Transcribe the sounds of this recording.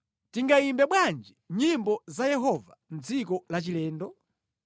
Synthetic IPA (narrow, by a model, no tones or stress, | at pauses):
tiŋɡaimbɛɓwand͡ʒiɲimbɔzajɛɦɔvan̩d͡zikɔlat͡ʃilɛːndɔ